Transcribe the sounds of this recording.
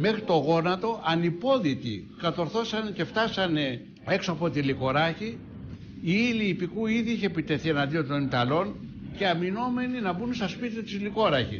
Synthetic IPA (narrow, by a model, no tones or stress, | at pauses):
me̞xɾit̪o̞ɣo̞nɐt̪o̞ʔɐnipo̞ðit̪ḭkɐt̪o̞ɾθo̞sɐnce̞ft̪ɐsɐne̞ | eksoɐpo̞t̪iliko̞ɾɐçi | iiliːpikuiðiiçepit̪e̞θie̞nɐnd̪io̞nt̪o̞nit̪ɐlo̞n | ceɐmino̞me̞ninɐbunst̪ɐspit̪it̪izliko̞ɾɐçḭs